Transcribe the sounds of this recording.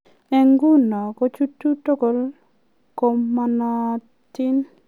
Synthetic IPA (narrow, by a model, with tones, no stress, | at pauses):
ɛ˦ŋɡu˦nɔ˨kɔ˦t͡ʃu˦tːu˦to˦ko˨l | ko˧mːa˧na˦ | t̪ɪ˦n